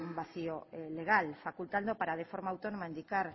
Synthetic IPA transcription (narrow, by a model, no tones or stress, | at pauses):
umbaθioeleɣalfakult̪and̪opaɾað̞efoɾmaːwt̪onomaind̪ikaɾ